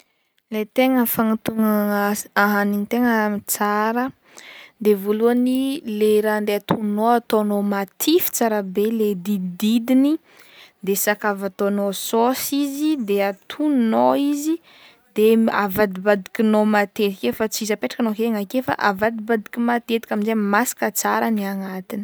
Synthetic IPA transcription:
let̪eŋəfaŋat̪uŋaaɦaninit̪eŋəmit͡saɾə | d̪evoluənileɾand̪eat̪ʰunoat̪onomat̪ʰifi̥t͡saɾəbeled̪id̪id̪ini | d̪esakavat̪onososizid̪eat̪ʰunoizi | d̪ea̰vad̪ibad̪ikʲinomat̪et̪i̥kʲefat͡sizapeʈ͡ʂḁkanokeŋakefa̰ʔavad̪ibad̪ikʲimat̪et̪ikʲaminzemasi̥kət͡saɾəniaŋat̪ini̥

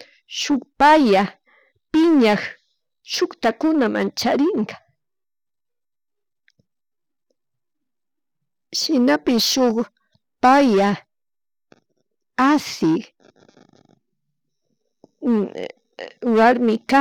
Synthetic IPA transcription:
ʃʊkpaja | pɪɲax | ʃʊkt̪akʊnama̰nt͡ʃaɾɪŋkḁ | ʃɪnapɪʃʊχ | paja | asɪk | waɾmɪka

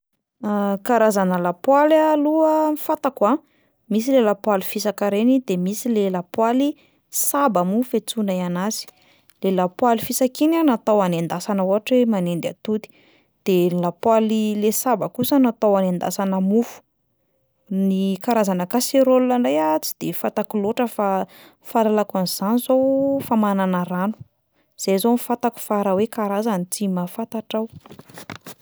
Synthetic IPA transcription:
akaɾazanəlapwalaluəmifat̪akwa | mis̬ilelapwalifisakaɾenid̪emisilelapwali | sabamufet͡sunaianazi̥ | lelapwalifisakinanat̪owanend̪asanəuɦaʈ͡ʂemanend̪ia̰t̪ut̪i̥ | d̪̥elapwalilesabakusanat̪awanend̪a̰sanəmufu̥ | nikaɾazanəkaseɾoluaɳɖ͡ʐajat͡si̥d̪̥efat̪akuloʈ͡ʂəfa | falalakaniz̥anizowfamananaɾanu̥ | z̥ejzownifat̪aku̥faɾawekaɾazanit͡simafat̪aʈ͡ʂaw

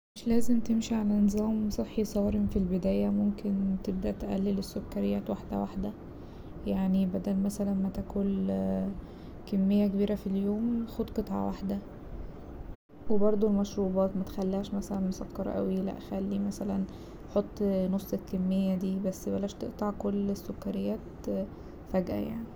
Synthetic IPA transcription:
meʃlæːzemt̪emʃiʕalænezˤɑːmsˤeħːisˤɑːɾemfilbed̪æːjæmomkent̪eb̚d̪æʔt̪ʔæ̰lːelesːokːæɾejːæːt̪waħd̪æ̰waħd̪æ | jaʕnibæd̪ælmæsælænmæt̪ækul | kemːejːækebiːɾæfiljoːmxod̪qet̪ˤʕɑ̰waħd̪æ | webɑɾˤd̪ˤolmɑʃɾuːbɑːt̪mæt̪e̥xælːæːʃmæsælænmosɑ̰kːɑɾˤɑ̰ʔæ̰wilæ̰ʔxælːimæsælæn | ħot̪ˤːnosˤːekemːejːæd̪iːbæsːbælːæːʃt̪eʔt̪ˤɑʕkolːesːokːæɾejːæːt̪ | fæɡʔæ̰ja̰ʕni

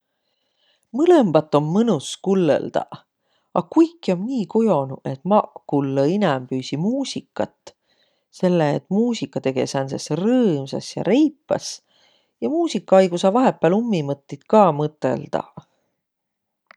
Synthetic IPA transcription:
mɯle̞mb̥ɑt̪ːˑo̞mːɤnuskulːḛld̪̥ɑ̰ | ɑkujkːˑio̞mniːkojo̞nuʔe̞t̪mɑkulːəinɛmpyːsimuːsʲikːˑɑt̪ːˑ | se̞lːeːt̪ːˑmuːsikːˑɑt̪e̞ɡ̥e̞sænsesrɤːmsɑ̰sjɑ̰ɾe̞jpːɑ̰s | jɑmuːsikːɑɑjɡ̥usɑvɑɦe̞pːˑæːlumːimɤt̪ˑːit̪kɑːmɤt̪ːˑe̞̰ld̪̥ɑ̰

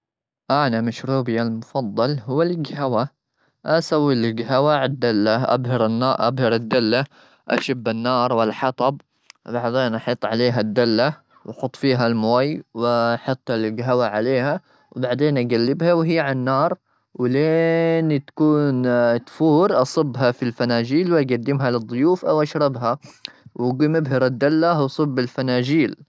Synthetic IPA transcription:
ʔaʕnamaʃɾuːbɪjalmʊfɑd̪ˤːɑlɦʊwːalɪɡhawa | ʔasawːilɪɡɦawaʕad̪ːalːaʔa̰bɦɪɾɪnːɑʔa̰bhɪɾad̪ːalːa | ʔa̰ʃabːanːɑːɾˤwɪlːħɑt̪ˤɑb̚ | baʕd̪eːnʔɑħit̪ˤːʕaleːɦad̪ːalːa | wʔɑħʊt̪ˤːfiːɦalmʊwajwħɑt̪ˤːalɡɦawaʕaleːha | wbaʕd̪eːnʔaɡalːɪbhawɦɪjːʕanːɑːɾˤ | wɪleːnt̪ḁkuːnt̪fuːɾʔɑsˤɑbːɦafilfanaːd͡ʒiːlwʔaɡad̪ːɪmɦalɪd̪ˤːʊjuːfʔa̰wʔaʃɾˤɑbɦawɡiːmɪbɦɪɾɪd̪ːalːawsˤɨbːɪlfanaːd͡ʒiːl

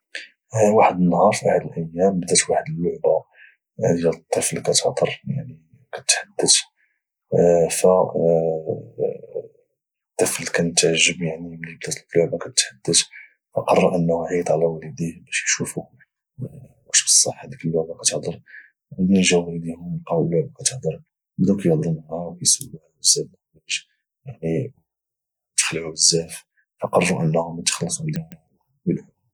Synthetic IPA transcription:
waħəd̪ənːɦɑɾˤfiʔaħad̪əlʔæjːæmbəd̪æt̪waħəd̪əlːʊʕba | d̪jælt̪ˤːəfəlkæt̪əʕd̪əɾˤja̰ʕni | kæt̪ħad̪ːət̪ | fæ | t̪ˤːəfəlkænət̪ʕaʒːəbjaʕniblibd̪æt̪lːʊʕbakæt̪ħad̪ːət̪ | fɑqɑrˤːɑɾʔənːhʕit̪ˤʕlæwæləd̪ihbæʃjʃufu | wæʃbə̥sˤːɑħæd̪ikəlːʊʕbakæt̪əhd̪əɾ | d̪inʒæwælid̪ihʊmlqɑwəlːʊʕbakæt̪əħd̪əɾ | bəd̪ukæjəhd̪ˤəɾmaæwkæjsˤəlːahwəzːæfnæbʃ | jaʕni | t̪xlʕubəzːæf | fɑqɑrˤːuʔənːhʊmæt̪xɑlːəsˤumd̪in | wəl

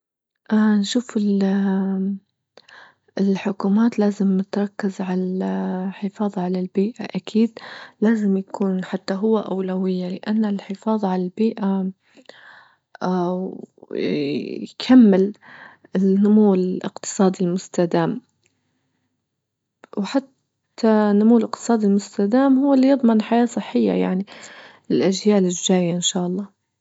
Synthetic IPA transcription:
ʔanʃuːfɪl | ɪlħʊkuːmaːt̪laːzɪmnɪt̪ɾˤɑkːɪzʕalaħɪfɑːðˤʕalalbiːʔaʔakʰiːd̪laːzɪmjakʰuːnħat̪ːaɦʊwːaʔawlawɪjːalɪʔanːalħɪfɑːðˤʕalalbiːʔa | jkʰamːɪl | ɪnːʊmuwːʔɪ̰qt̪ɨ̥sˤɑːd̪ilmʊst̪ad̪aːm | wħat̪ː | anʊmuwːɪlʔɪqt̪ɨ̥sˤɑːd̪ilmʊst̪ad̪aːmhʊwːalːijɨd̪ˤmɑnħajaːsˤɨħːɪjːa̰jaʕnilɪlʔaʒjaːlɪʒd͡ʒaːjaʔɪnʃaːʔɑlˤːɑː

